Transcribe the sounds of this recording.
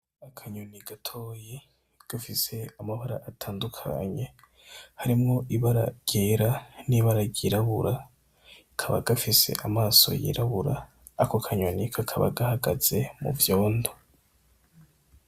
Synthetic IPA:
akʰaɲoniɡatʰo̞ːje | ɡ̥afise̞amaβaɾa̰ʔatʰaːndukʰa̰ɲe̞ | haɾimŋo̞ʔiβaɾa̰ɟ̥eɾaniβaɾaɟiɾaβuɾa | kʰaβa̰ɡ̥afise̞̰ʔamaːso̞̰jḭɾaβuɾaː | kokʰaɲonikʰakʰaβa̰ɡahaɡaz̥e̞mṵvjo̞ːndo

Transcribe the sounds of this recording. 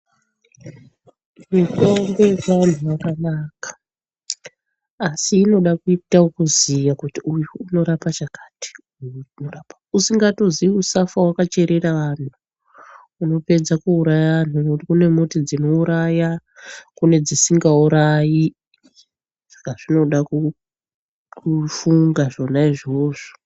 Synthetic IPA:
mitombean̤uʋakanaːkḁ | siːno̞ɗakuitaokuzijakutiujuːno̞ɾapat͡ʃakḁti̥ujunorapausiŋɡato̞ziiusafawakat͡ʃe̞ɾe̞ɾaʋan̤u | uno̞pe̞d͡zakuuɾajaʋan̤ukune̞motid͡zino̞uɾajakune̞d͡zisiŋɡauɾaji | sḁkaʐino̞ɗaku | kʰufuŋɡaʐo̞naiʐoːʐo̥

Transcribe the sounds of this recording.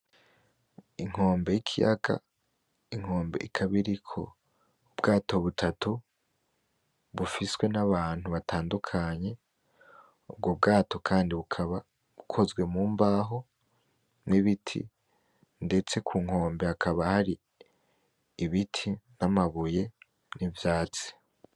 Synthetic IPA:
iŋ̥ho̞ːmbe̞jikʰija̰ɡa̰ | iŋ̥ho̞ːmbe̞̰ʔikʰaβiɾikʰo̞̰ | ubɡaːto̞βutʰatu | βufiswe̞naβaːn̥uβatʰaːndukʰaɲe̞ | ub̚ɡob̚ɡaːto̞kʰaːndiβukʰaβa | βukʰo̞zɡwe̞muːmbaːɦo̞ | niβitʰḭ | nde̞t͡se̞kʰuːŋho̞ːmbe̞akʰaβahaɾi | βitʰinamaβuje̞ | nivjaːt͡si̥

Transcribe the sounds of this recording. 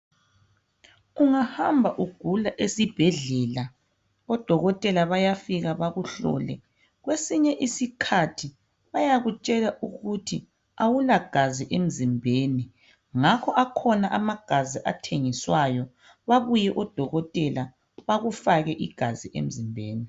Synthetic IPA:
uŋahambʱaʔuɡ̥ʱulaʔesib̥ʱɛɮɛla | ɔd̥ʱɔɣɔtʼɛlaβajafiɣaβaɣuɬɔ̰ːlɛ̰ | ɣwesiɲɛʔisikʰatʰi | βajaɣut͡ʃʼɛlaʔuɣutʰi | awulaɡ̥ʱaziʔem̩zimbʱeni | ŋakʰɔʔakʰɔnaʔamaɡ̥ʱaziʔa̰tʰeŋiswajɔ | βaβujɛʔɔd̥ʱɔɣɔtʼɛla | βaɣufaɣɛʔiɡ̥ʱaziʔḛm̩zimbʱeːni

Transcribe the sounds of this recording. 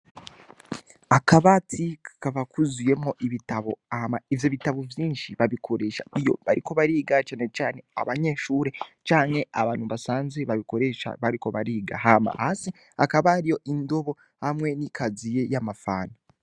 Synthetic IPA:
akaβatʰikḁkaβakuzuje̞mo̞ʔiβitaβo̞amaivjo̞βitaβo̞vjiːnʃiβaβikʰo̞ɾe̞ːʃa̰ijo̞̰βa̰ɾʔiko̞βaɾiːɡat͡ʃaːne̞t͡ʃaːne̞a̰βaɲe̞ːʃuːɾe̞t͡ʃaːŋhe̞aβaːnhuβasaːnzeβaβiko̞ɾe̞ʃa̰βaɾiko̞βaɾiːɡaɦama̰hasi | akaβaɾijo̞ʔindo̞βo̞ | hamwe̞nikazije̞jamafaːna

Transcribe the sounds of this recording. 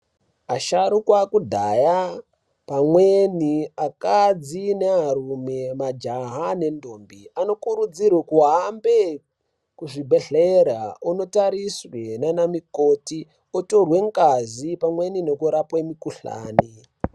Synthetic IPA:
aʃaɾukwakudʱaja | pamweniakad͡zineɦaɾume̞mad͡ʒaɦane̞ndombiano̞kuɾud͡zirwekuɦambe | kuʐibʱe̞ɮeɾauno̞taɾiswenanamikoti | oto̞rwe̞ŋkazipamwe̞ninekuɾapwemikuɬa̰ːni

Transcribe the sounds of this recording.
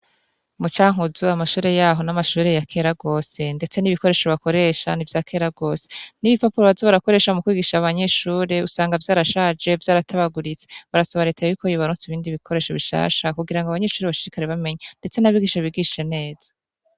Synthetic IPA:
mut͡ʃaːŋ̥uzuamaʃuːɾe̞jaːɦo̞namaʃuːɾe̞jakʰe̞ːɾaɡo̞ːse̞nde̞t͡se̞niβiko̞ɾe̞ːʃoβako̞ɾe̞ʃanivjaːkʰe̞ːɾaɡo̞ːseniβipapuɾoazoβaɾako̞ɾe̞ːʃamukwiːɡiːʃaβaɲe̞ʃuːɾe̞usaːŋɡavjaːɾaʃaːd͡ʒe̞vjaːɾatʰaβaɡuɾit͡se̥βaɾasoβaɾe̞ːtʰajjukojuβaɾusiβiːndiβikʰo̞ɾe̞ːʃo̞βiʃa̰ːʃakuɡiɾaŋɡaβaɲe̞ːʃuːɾeβaʃiɾikaɾeβame̞ɲande̞t͡se̞naβiːɡiːʃaβiɡiʃʃene̞ːz̥ḁ

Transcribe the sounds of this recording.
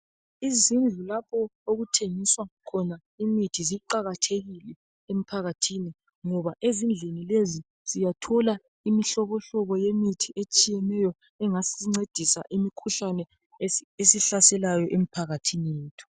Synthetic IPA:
izind͡ɮʱulapʰɔoɣutʰeŋiswaŋakʰɔna | imitʰiziǃaɣatʰeɣilɛ | em̩pʰaɣatʰini | ŋɔβaʔezind͡ɮʱenilezi | z̥ijatʰɔla | imiɬɔɣɔɬɔβɔjemitʰiʔet͡ʃʼijɛnɛjɔ | ɛŋasŋ͡ǀed̥ʱisa̰ʔimikʰuɬanɛ | esiɬasɛlajɔʔem̩pʰaɣatʰinijeːtʰu̥

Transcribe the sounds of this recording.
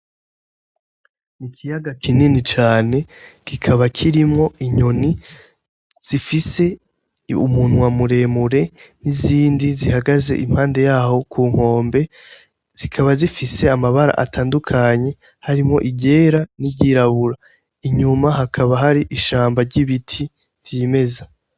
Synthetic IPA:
nikʰijaɡakininit͡ʃaːne̞kikʰaβakʰiɾimŋo̞iɲo̞ni | z̥ifise̞ | ṵmunwamuɾe̞muɾe̞niziːndizihaɡaze̞̰ʔḭm̥haːnde̞jaho̞kuːŋ̥ho̞ːmbe̞ | z̥ikʰaβazifise̞amaβaɾa̰ʔa̰tʰaːndukʰaɲe̞ | haɾimŋo̞̰ʔiɟe̞ːɾaniɟiɾaβuɾa | iɲumaɦakʰaβaɦaɾiʔiʃaːmbaɾɟiβitʰi | vjiːme̞za

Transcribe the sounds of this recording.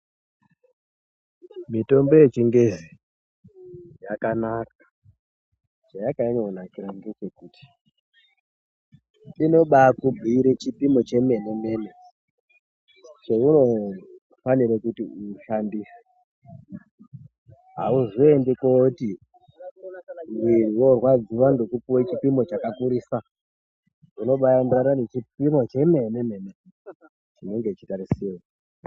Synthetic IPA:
mito̞mbo̞je̞t͡ʃiŋɡezi | jakanakḁ | t͡ʃajakaiɲounakiɾandet͡ʃekuːti̥ | ino̞ɓakubʱiːɾet͡ʃipimot͡ʃe̞me̞neme̞ne | t͡ʃeuno̞ | faniɾekutiuʃandise̥ | ɦauʐoendikoti | mwiriwo̞rwad͡ziwando̞kupuwet͡ʃipimo̞t͡ʃakakuɾiːsa | uno̞ɓajandraɾanet͡ʃipimo̞t͡ʃe̞me̞neme̞ne | t͡ʃino̞ŋɡet͡ʃitaɾisiro

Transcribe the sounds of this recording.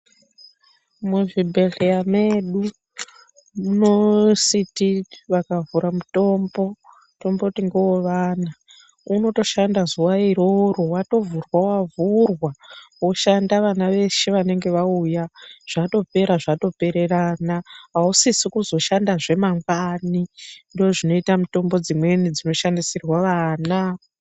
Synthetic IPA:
muʐibʱe̞ɮejame̞ɗu | muno̞sitiʋakavuɾamuto̞mbo̞ | to̞mbotiŋɡewoʋaːna | uno̞to̞ʃandazuwaiɾoɾowato̞vurwawavurwawo̞ʃandaʋanaʋe̞ʃeʋane̞ŋɡe̞ʋaujaʐ̥ato̞pe̞ɾaʐato̞pe̞ɾe̞ranaɦausisikuzo̞ʃandaʐe̞maŋɡanindooʐino̞itamuto̞mbo̞d͡zimwe̞nid͡zino̞ʃandisirwaʋaːna

